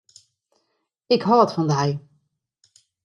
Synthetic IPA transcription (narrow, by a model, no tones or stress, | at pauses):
ɪkɦɑɑtfɑndɛj